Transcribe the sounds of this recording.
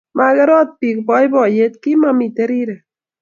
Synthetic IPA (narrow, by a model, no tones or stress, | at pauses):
maɣaɾot̪̚pikbojbojet̪̚kimamit̪eɾiɾe